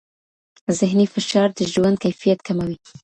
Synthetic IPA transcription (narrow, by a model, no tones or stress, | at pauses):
zɪɦnifɪʃɑɾd̪əʒwand̪̚kajfijat̪kʰamawi